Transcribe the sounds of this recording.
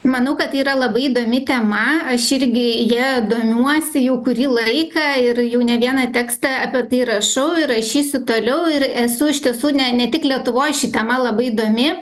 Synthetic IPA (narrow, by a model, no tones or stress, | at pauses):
mɐnɐʊkɐt̪iːɾɐlˠɐbɐɪid̪oːmʲɪt̪ʲɛmɐɐʃɪɾʲɡʲɪjiɛd̪oːmʲuɔsʲɪjɛʊkʊɾʲiːlˠɐɪkɐɪrjɛʊnʲɛʋʲiɛnɐt̪ʲæːkst̪ɐɐpʲiɛt̪ɐɪɾɐʃɐʊɪɾrɐʃʲiːsʲʊt̪oːlʲɛʊɪɾɛsʊɪʃt̪ʲiɛsuːnʲɛnʲɛt̪ʲɪklʲiɛt̪ʊʋoːjʃʲɪt̪ʲɛmɐlˠɐbɐɪid̪oːmʲɪ